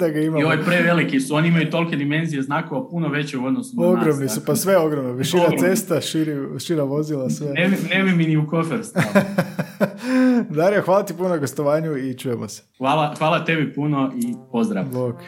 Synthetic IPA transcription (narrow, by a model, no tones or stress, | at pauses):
d̪aɡaimaioʋojpɾeʋelikisuoniimajut̪o̞lˠked̪imenzijeznaːkoʋapunoʋe̞t͡ɕeuod̪nosunaoɡɾomnisupasʋeo̞ɡɾomnaʋiʃinase̞st̪aʃiɾiʃiɾaʋo̞zilˠasʋeeinebiminiukofeɾst̪ | d̪aɾiaxʋaːlˠat̪ipunonaɡost̪oʋaːɲuit͡ʃuːjemose̥ʋaːlˠaxʋaːlˠat̪e̞bipunoʔipozd̪ɾa̰ʋbok